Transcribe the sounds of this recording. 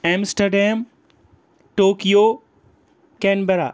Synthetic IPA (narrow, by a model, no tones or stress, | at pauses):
ɛːmsʈɐɾɖeːm | ʈoːkijo | kɛːnbeɾa̰